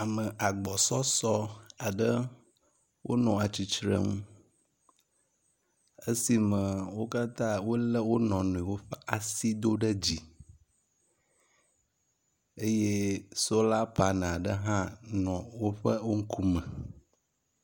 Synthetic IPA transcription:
a˨mə̃˨ʔa˨ɡ͡bɔ˨sɔ˦sɔ˦a˨ɖə˦ | wʔo̰˦nɔ̃˨a˨t͡ɕi˨t͡ʃɾə̰˦ŋũ˦ | ə˦si˨mə̃˨wo˦ka˦t̪ã˦wo˦lə˦wo˦nɔ̃˨nũ˨i˨wo˦ɸə˦ʔa˨si˦d̪o˦ɖə˦d͡ʑi˨ | e˦je˦so˦la˦pa˨nã˨a˨ɖə˦ɦã˦nɔ̃˨wo˦ɸə˦wo˦ŋ̩˦kʰu˦mə̃˨

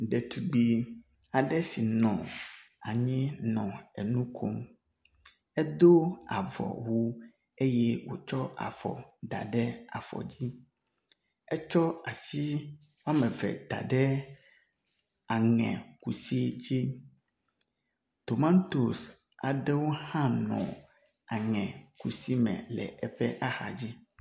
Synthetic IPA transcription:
ɖɛ˨t̪u˨ɡ͡bi˨ | a˨ɖɛ˦si˨nɔ̰̃˨ | a˨ɲĩ˦nɔ̃˨ɛ̰˨nũ˦kʰo˦m | ɛ˦d̪o˦a̰˨vɔ̰˨wo˦ | e˦jɛ˦wo˦t͡ʃɔ˦a̰˨fɔ̰˨d̪a̰˨ɖɛ˦a̰˨fɔ̰˨d͡ʑi˦ | ɛ˦t͡ʃɔ˦a˨si˦ | wa˦mɛ̃˨vɛ̰˨d̪a̰˨ɖɛ˦ | a˨ŋɛ̰̃˨ku˨si˦d͡ʑi˦ | t̪o˨mã˦n˦t̪o˨s | a˨ɖɛ˦wo˦hã˦nɔ̰̃˨ | a˨ŋɛ̃˨ku˨si˦mɛ̰̃˨lɛ̰˨ʔɛ˨ɸɛ˦ʔa˦xa̰˨d͡ʑi˦

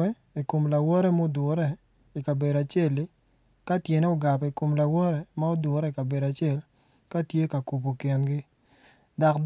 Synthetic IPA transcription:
ɛ˦ | i˨ko˨mla˨wɔ˦ɾɛ˦mo˦dʊ˨ɾɛ˦˨ | i˨ka˨be˨da˨t͡ʃe˦˨lɪ˦ | ka˦tje˨ne˦o˨ɡa˨pɛ˨i˨ko˨mla˨wɔ˦ɾɛ˦ma˦o˦dʊ˨ɾɛ˦i˨ka˨be˨da˨t͡ʃɪ˦e˦˨l | ka˦tje˦ka˨ku˨po˨kɪ˨nɡɪ˦ | da˨kd

